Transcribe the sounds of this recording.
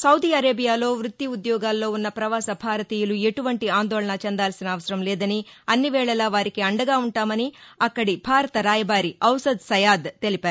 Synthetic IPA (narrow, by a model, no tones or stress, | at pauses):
sɐwd̪iːɐɾeːbijaːlo̞ːʋɾut̪ːiud̪jɔːɡaːlːo̞ːunːɐpɾɐʋaːsɐbʱaːɾɐt̪iːjɐlue̞ʈuʋɐɳʈiaːnd̪ɔːɭɐɳɐt͡ʃend̪aːlsinɐːʋɐsɐɾɐmlɛːd̪ɐniɐnːiʋɛːɭɐlɐʋaːɾikiɐɳɖɐɡaːuɳʈaːmɐniɐkːɐɽibʱaːɾɐt̪ɐɾaːjɐbaːɾiɐwsɐd̪sɐjaːd̪t̪e̞lipaːɾu